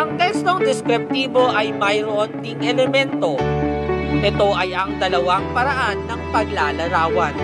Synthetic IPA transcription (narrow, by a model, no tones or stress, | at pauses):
ʔɐŋt̪ɛst̪o̞ŋd̪ɛskɾɪp̚t̪iːbo̞ʔɐjmɐjɾont̪iŋʔɛlɛmɛnt̪o̞ | ʔɛt̪o̞ʔɐjɐŋd̪ɐlɐwaŋpɐɾɐʔanːɐŋpɐɡlaːlɐɾaːwɐn